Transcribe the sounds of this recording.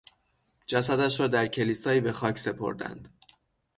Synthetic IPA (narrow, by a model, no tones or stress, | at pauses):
d͡ʒæsæd̪æʃɾɒːd̪æɾcʰe̞liːsɒːiːbe̞xɒːcʰse̞pʰo̞̰ɾd̪æ̰nd̪̥